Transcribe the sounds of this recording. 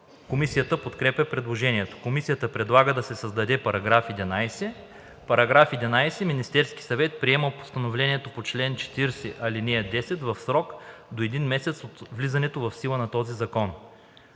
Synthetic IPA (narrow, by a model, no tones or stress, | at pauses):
komisijət̪əpot̪kɾɛpʲjɐpɾɛd̪lˠoʒɛniɛt̪o̥komisijət̪əpɾɛd̪lˠaɡəd̪ɐsɛsɐzd̪ɐd̪ɛpɐɾɐɡɾafɛd̪ɛnajsɛ | pɐɾɐɡɾafɛd̪ɛnajsɛminist̪ɛɾski̥sɐvɛt̪̚pɾiɛməpo̥st̪ɐnovlɛniɛt̪opot͡ʃlɛnt͡ʃɛ̥t̪iɾsɛʔɐlinɛɛd̪ɛsɛt̪vɐfsɾɔkd̪oɛd̪inmɛsɛt̪sot̪vlizɐnɛt̪ovɐfsilˠənɐt̪ɔzizɐkɔn